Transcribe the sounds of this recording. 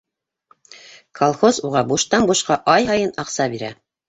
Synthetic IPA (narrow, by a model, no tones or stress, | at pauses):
kʰolˠχozuʁɑbuʃt̪ɑnbuʃqɑʔɑjɦɑjɤnɑqsɑbiɾæ̰